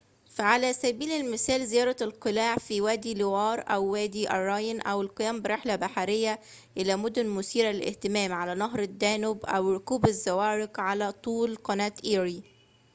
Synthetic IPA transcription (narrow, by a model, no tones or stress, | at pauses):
faʕalæːsæbiːlɪlmɪsæːlzɪjɑːɾˤɑlqɨlaːʕfiːwæːd̪iːlɪwɑːɾˤʔæwːæːd̪iːʔɑɾˤːɑjnʔæwɪlqɨjæːmbɪɾˤeħlæbaħaɾɪjːæ | ʔɪlæːmod̪ʊnmʊsiːɾælʔḛht̪ɪmæːmʕalænɑɦɾˤɪd̪ːæːnʊbʔæwɾʊkuːbɪzːæwæːɾɪqʕalæːt̪ˤuːlqɑnæːt̪ʔiːɾiː